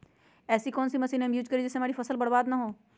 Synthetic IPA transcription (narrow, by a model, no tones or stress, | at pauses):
ɛːsikɔːnsimɐsiːnɦɐmjuːd͡ʒkɐɾid͡ʒɪsːeɐmeːɾifɐsəlbɐɽbaːd̪naɦoː